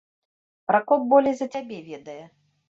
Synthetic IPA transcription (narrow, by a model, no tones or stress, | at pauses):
pɾakɔp̚bɔlʲɛzɐt͡sʲabʲɛvʲɛd̪ɐjɛ